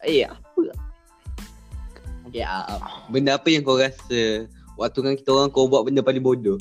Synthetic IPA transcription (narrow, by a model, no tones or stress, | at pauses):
apə | okeʔa̰bəndəapəjaŋkawɾasəwak̚t̪ukanki̥t̪əoɾaŋkawbuaʔbəndəpaliŋbodo